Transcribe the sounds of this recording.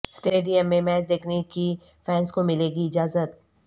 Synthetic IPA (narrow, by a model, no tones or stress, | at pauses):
sʈeːɖijəmːẽmɛːd͡ʒd̪eːkʰneki | fɛ̃ːnskomɪleːɡiɪd͡ʒaːzət̪